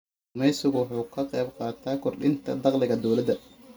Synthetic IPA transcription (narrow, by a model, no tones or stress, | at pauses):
mɛjsʊɣʊħuːkʰɐqɛjbqɑːt̪ʰaːkʰɔrɗɪnt̪ʰɐ̰d̪ɑqlɪɣɐd̪ɔwlɐd̪ɐ